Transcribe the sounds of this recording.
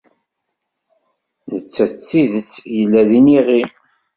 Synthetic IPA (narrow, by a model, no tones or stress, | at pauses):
nət͡sːæt͡sːiðət͡sːjəlːæðiniʁi